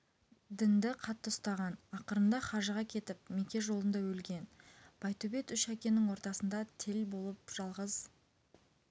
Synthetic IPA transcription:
d̪ɪnd̪ɪqʰɑt̪ːəʊst̪ɑʁɑnɑqəɾənd̪ɑχɑʒəʁɑkʲʰe̞t̪ɪp̚me̞kʲe̞ʒo̞lˠənd̪ɑwɵlɡʲe̞nb̥ɑjt̪obe̞t̪ʏʃækʲe̞nɪŋwo̞ɾt̪ɑsənd̪ɑt̪ʰelbo̞lˠəp̚ʒ̥ɑlˠʁəz̥

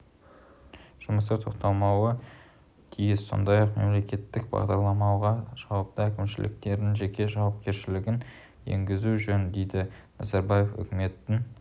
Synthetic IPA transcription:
ʒ̥ʊməsəɾt̪ʰoqt̪ɑlˠmɑwə | t̪ʰijɪsso̞̰nd̪ɑjɑqme̞̰mle̞kʲe̞t̪ːɪk̚bɑ̰ʁd̪ɑɾlˠɑmɑwʁɑʒ̥ɑwɑp̚t̪əækʲɪmʃɪlʔɪ̰k̚t̪e̞ɾd̪ɪŋʒekʲe̞ʒɑwɑp̚kʲe̞ɾʃɪlɪɡʲɪn | jḛŋɡʲɪzuʒɵnɪd̪e̞jd̪ɪnɑzɑɾbɑje̞fʏ̰kʲɪme̞t̪ːɪŋ

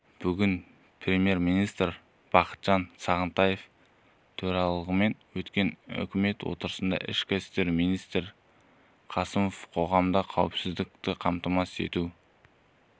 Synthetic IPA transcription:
b̥ʏɡʲɪn | pʰrʲe̞mje̞ɾmijnijst̪r | b̥ɑqə̥t̪ʒ̥ɑnsɑʁənt̪ɑje̞f | t̪ʰɵɾɑlˠəʁəme̞nwɵt̪kʲe̞nʏ̰kʲɪme̞t̪wo̞̰t̪əɾəsənd̪ɑ̰ʔɪ̰ʃkʲʰæst̪e̞ɾmijnijst̪ɾ | qʰɑsəmofqʰo̞ʁɑmnd̪ɑqʰɑ̰wɪpsɪzd̪ɪk̚t̪ɪqʰɑmt̪əmɑse̞̰t̪u

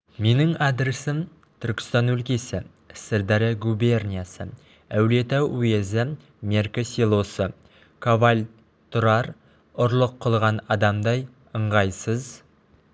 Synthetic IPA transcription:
me̞nɪŋad̪ɾɪsɪm | t̪ʰʏɾkʲɪ̥st̪ɑnwɵlkʲe̞sɪ̰ | sɪɾd̪aɾeɡubernʲijasə | æwle̞t̪æwezɪ | me̞ɾkesʲelˠosə | kʰavalʲ | t̪ʰʊɾɑɾ | ʊɾlˠəqʰːəlˠʁɑnɑd̪ɑmd̪ɑj | əɴʁɑjsəz

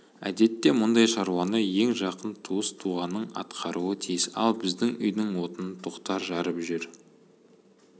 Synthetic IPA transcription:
æ̰d̪e̞t̪ːe̞mʊnd̪ɑjʃɑɾwɑnəje̞ŋʒɑqənt̪ʰuəst̪ʰuʁɑnːəɴɑ̰t̪qʰɑɾʔuət̪ʰijɪsɑ̰lˠbɪzd̪ɪŋʔʏ̰jnɪŋwo̞t̪ənət̪ʰoqt̪ɑɾʒɑɾəpʒʏɾ

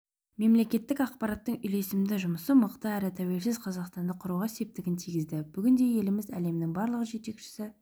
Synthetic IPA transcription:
me̞mle̞kʲe̞t̪ːɪkɑqpɑɾɑt̪ːəɴʏ̰jle̞sɪmd̪ɪʒʊməsəməqt̪əæɾɪt̪ʰæwe̞lsɪzqʰɑzɑqst̪ɑnd̪ɑqʰʊɾuʁɑse̞p̚t̪ɪɡʲɪnt̪ʰijɡʲɪzd̪ɪb̥ʏɡʲɪnd̪e̞je̞lɪmɪzæ̰le̞mnɪŋbɑɾlˠəʁəʒe̞t̪e̞kʃɪ̥sɪ

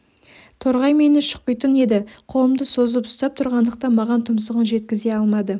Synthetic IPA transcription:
t̪ʰo̞ɾʁɑjme̞nɪʃə̥qːəjt̪əne̞d̪ɪqʰo̞lˠəmd̪əso̞zəpʊ̥st̪ɑp̚t̪ʰʊɾʁɑnd̪əq̚t̪ɑnmɑʁɑnt̪ʰʊmsəʁənʒe̞t̪̚kʲɪze̞ɑlˠmɑd̪ə

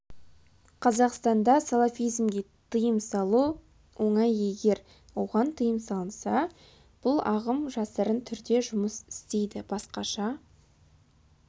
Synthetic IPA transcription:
qʰɑzɑqst̪ɑnd̪ɑsalˠɑfijzmɡʲe̞ | t̪ʰəjəmsɑlˠu | wʔo̞ɴɑje̞ɡʲe̞ɾ | wo̞ʁɑnt̪ʰəjəmsɑlˠənsɑ | b̥ʊlˠɑʁəmʒɑsəɾənt̪ʰʏɾd̪e̞ʒʊməsɪ̥st̪e̞jd̪ɪb̥ɑsqɑʃɑ

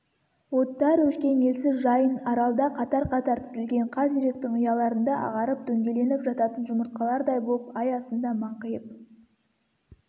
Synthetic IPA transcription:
wo̞t̪ːɑɾwɵʃkʲe̞ne̞lsɪzʒɑjənɑɾɑlˠd̪ɑqʰɑt̪ɑɾqʰɑt̪ɑɾt̪ʰɪzɪlɡʲe̞ɴqʰɑzjʏɾe̞k̚t̪ɪŋʊjɑlˠɑɾənd̪ɑʔɑ̰ʁɑɾəp̚d̪ʰɵŋɡʲe̞le̞nɪpʒɑt̪ɑt̪ənʒʊməɾt̪̚qɑlˠɑɾd̪ɑjboəpɑjɑst̪ənd̪ɑmɑɴqəjəp̚

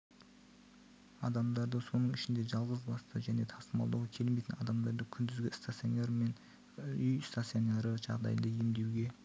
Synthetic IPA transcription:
ɑd̪ɑmd̪ɑɾd̪əso̞nəɴɪʃɪnd̪eʒɑlˠʁəzbɑst̪əʒæne̞t̪ʰɑsəmɑ̰lˠd̪ɑ̰wɑkʲʰe̞lmejt̪ɪnɑd̪ɑmd̪ɑɾd̪əkʲʰʏnd̪ɪzɡʲɪst̪at̪sjoneɾmen | ʏjst̪at̪sijoneɾəʒɑ̰ʁd̪ɑ̰jənd̪ɑje̞md̪e̞wɡʲe̞

